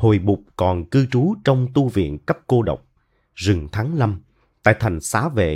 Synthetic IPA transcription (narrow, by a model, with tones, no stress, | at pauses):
ho˨˩jɓʊ˨˩k͡p̚kɔ˨˩nkɨ˧t͡ɕu˨˦t͡ɕɔ˧wŋ͡mt̪u˧vḭ˧˨ənkə˦˥p̚ko˧ɗə̰˨˩wk͡p̚ | zɨ˨˩ŋt̪ʰaː˨˦ŋla˧m | t̪a̰ː˧˨jt̪ʰa˨˩jŋ̟saː˨˦vḛ˧˨